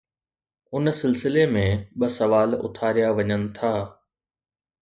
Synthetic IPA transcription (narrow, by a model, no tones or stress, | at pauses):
ʊnsɪlsɪlemẽɓɐsɐʋaːlʊ̰t̪ʰaːɾijaʋɐɲənɪ̆t̪ʰaː